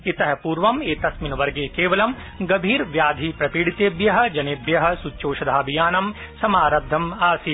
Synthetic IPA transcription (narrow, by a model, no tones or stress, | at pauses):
it̪ɐɦɐpuːɾʋɐmeːt̪ɐsminɐʋɐɾɡeːkeːʋɐlɐm | ɡɐbʱiːɾʋjaːd̪ʱipɾɐpiːɽit̪eːbjɐɦɐ̆d͡ʒɐnebjɐɦɐ̆suoːʃɐd̪ʱaːbijaːnɐm | sɐmaːɾɐd̪ʱːɐmaːsi